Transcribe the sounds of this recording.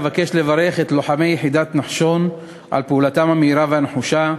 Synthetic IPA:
vakeʃle̞vaɾe̞χet̪loħame̞jeħid̪at̪naħʃo̞n | ʔa̰lpeuːlat̪amhameiɾaveaneħuʃa

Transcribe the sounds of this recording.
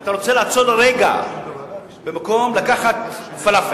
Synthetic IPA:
t̪aʁo̞t͡selaat͡solʁeɡa̰ | bemako̞mlakaχat̪falaf

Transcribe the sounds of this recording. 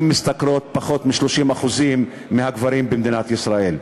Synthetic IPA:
mːist̪akɾo̞t̪̚paχo̞t̪miʃloʃimaχuzimː | eɦaɡvaɾimbemd̪inat̪jisɾael

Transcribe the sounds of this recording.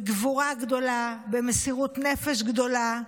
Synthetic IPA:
ɡvuʁaɡd̪o̞labemesiʁut̪nefeʃɡd̪o̞la

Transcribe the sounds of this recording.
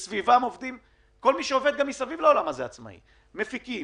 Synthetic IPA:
svivamo̞vd̪im | ko̞lmiʃeove̞d̪̚ɡamisavivlao̞lamazeat͡sma̰ḭ | me̞fiki

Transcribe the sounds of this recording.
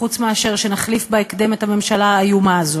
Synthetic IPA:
ut͡smeaʃe̞ʁʃe̞naχlifbeekd̪e̞methame̞mʃalaːjumaːzo

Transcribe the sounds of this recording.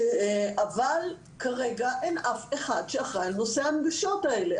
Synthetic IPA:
ʔaval | kaʁeɡaʔenafeχadʃeaχʁalnoseamɡaʃo̞tae̞le

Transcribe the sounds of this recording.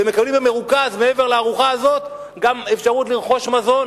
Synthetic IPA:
eme̞kablimbemeʁukazmeeve̞ʁleaʁuχaazo̞t̪ | ɡamefʃaʁutliʁχo̞ʃmazo̞n

